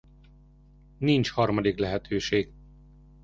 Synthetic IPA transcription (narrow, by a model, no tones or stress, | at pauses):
nint͡ʃhɒrmɒd̪iklɛɦɛt̪ʰøːʃeːɡ